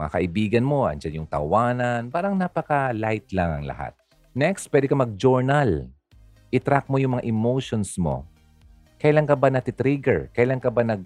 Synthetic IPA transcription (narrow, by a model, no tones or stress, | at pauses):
ŋa̰kɐʔɪbiːɡɐnmo̞ʔɐ̰nd͡ʒanjʊŋt̪ɐ̰waːnɐnpaːɾɐŋnaːpɐkɐlajt̪laŋɐ̰ŋlɐ̰ha̰t̪̚ | nɛkst̪̚pwɛd̪ɪkɐmɐɡ̚d͡ʒoɹnal | ʔɪt̪ɾak̚mojʊŋmɐŋaʔɪmowʃonsmo̞̰ | kɐjlaŋkɐbanɐt̪ɪt̪ɾiɡɛ̰ɹkɐjlaŋkɐbanɐɡ̚